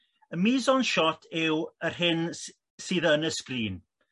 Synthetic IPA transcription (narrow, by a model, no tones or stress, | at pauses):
əmiːzɔnʃɔtʰɪwərɦɪn | siːðənəskriːn